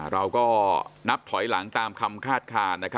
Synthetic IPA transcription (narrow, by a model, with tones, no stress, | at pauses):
ɾa˧wkɔː˥˩na˦˥p̚t̪ʰɔ˨˩˦jla˩˦ŋt̪aː˧mkʰa˧mkʰaː˥˩t̪̚kʰaː˧nna˦kʰa˦